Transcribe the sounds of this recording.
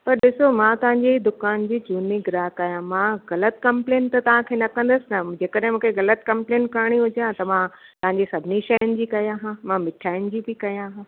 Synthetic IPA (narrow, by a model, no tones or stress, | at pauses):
pɐɾɗɪsomãt̪ɐʋ̤ãɲd͡ʑed̪ʊkaːnd͡ʑiːt͡ɕuːniɡɪɾaːɦkaːjãmãɣɐlət̪kɐ̃mpleːnt̪ɐt̪ɐʋ̤ãkʰeːnɐkɐ̃nd̪əsɪnɐd͡ʑeːkəɗɦɪ̃mũːkʰeɣɐlət̪kɐ̃mpleːnkaɾɽ̃iɦʊd͡ʑãt̪ɐʋã | t̪ɐʋ̤ɦãɲd͡ʑesɐbʱɪniʃɐjənɪ̆d͡ʑiːkɐjãɦãmãmɪʈʰaːɪʊn̆d͡ʑiːbɪkɐjãɦãː